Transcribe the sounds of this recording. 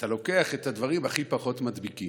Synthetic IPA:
t̪alo̞ke̞aχet̪advaʁimaχipaχo̞tmadbikim

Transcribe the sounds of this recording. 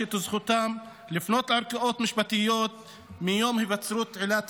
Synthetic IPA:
et̪uzχut̪am | lifno̞t̪ʕaɾkaʔot̪miʃbat̪ijot̪̚ | mijo̞mhivat͡sɾut̪ʕilat̪

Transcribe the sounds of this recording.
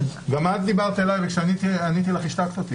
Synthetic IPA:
ɡamat̪̚d̪ibaʁt̪ielajvekʃeanit̪ianit̪ilaχiʃt̪akt͡s̪at̪i

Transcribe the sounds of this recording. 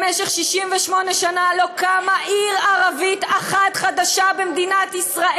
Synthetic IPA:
meʃeχʃiʃimveʃmo̞neʃanalo̞kamaʔiʁaʁavit̪aχat̪χad̪aʃabemd̪inat̪isʁaʔe

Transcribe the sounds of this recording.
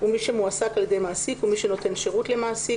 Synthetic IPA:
umiʃe̞muasakaljede̞jmaːsikumiʃeno̞te̞nʃeʁutle̞maːsi

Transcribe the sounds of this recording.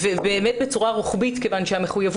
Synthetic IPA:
vebeːmet̚bet͡suʁaʁuχbitke̞vanʃehameχujav

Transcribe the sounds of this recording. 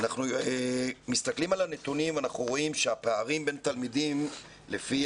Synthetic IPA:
naχnuemist̪aklimalane̞t̪unimvanaχnuʁo̞imʃeapeaʁimbe̞nt̪almidim | le̞fi

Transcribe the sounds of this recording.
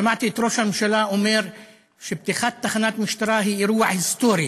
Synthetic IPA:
ʃamaʕt̪it̪ɾoːʃanmʃalaʔʊmeːɾ | ʃɪb̚t̪ixat̪̚ːaxanaːt̪mʊʃt̪ɑɾˤaːɦiːʔɾuwaʕhɪst̪uːɾi

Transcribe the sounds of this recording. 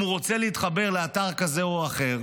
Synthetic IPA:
uʁo̞t͡seleit̪χabe̞ʁleataʁkaze̞oaχe̞ʁ

